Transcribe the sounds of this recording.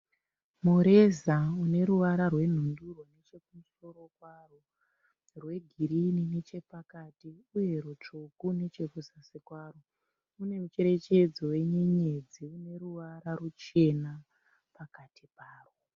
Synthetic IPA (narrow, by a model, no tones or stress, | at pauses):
muɾe̞zaune̞ɾuʋaɾarwe̞n̤unduro̞ne̞t͡ʃe̞k̚umuso̞ɾo̞kwaro | rwe̞ɡʱiɾininet͡ʃe̞pakatiuje̞ɾut͡ʃukune̞t͡ʃe̞kuzasikwaːro | une̞mut͡ʃe̞ɾe̞t͡ʃe̞d͡zo̞we̞ɲe̞ɲe̞d͡ziune̞ɾuʋaɾaɾut͡ʃe̞na | pakatʰipaːro